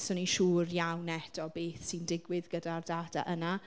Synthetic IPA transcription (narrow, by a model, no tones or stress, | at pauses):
sɔniʃuːrjawnɛd̥ɔbeːθsindɪɡwɪðɡədardad̥a̰ʔəna